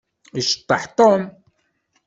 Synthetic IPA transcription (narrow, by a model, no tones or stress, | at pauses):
iʃt̪aħt̪on